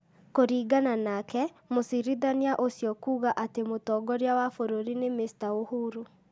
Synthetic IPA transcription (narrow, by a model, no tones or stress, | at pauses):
koɾiːɡananakɛmosiɾiðaniaʔosjɔkuːɣaʔatemotɔɡɔɾeawafoɾoɾinemestaohuɾu